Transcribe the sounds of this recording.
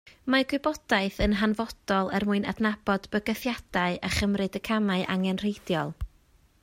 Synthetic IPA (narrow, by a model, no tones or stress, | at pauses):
maɡwɪbɔd̥aɨθənɦanvɔd̥ɔlˠərmʊɨna̰dnabɔdbəɡəθjad̥aɨʔaχəmrɨdəkʰamaɨʔa̰ŋɛnr̥ejdjɔlˠ